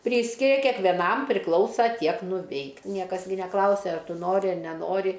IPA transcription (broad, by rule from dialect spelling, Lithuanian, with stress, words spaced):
ˈpʲrʲiːsʲkʲɪrʲɛ kʲɛkʋʲɛˈnɐm pʲrʲɪˈklˠɐʊsɐ ˈtʲiɛk nʊˈʋʲɛɪk ˈnʲiɛkɐs ɡʲɪ nʲɛˈklˠɐʊsʲɛ ˈɐr ˈtʊ ˈnoːrʲɪ ˈɐr nʲɛˈnoːrʲɪ